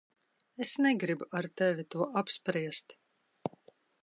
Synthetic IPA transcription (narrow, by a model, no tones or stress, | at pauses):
esnɛɡɾibuaɾt̪ɛvʲit̪uɔʔapspɾiɛst̪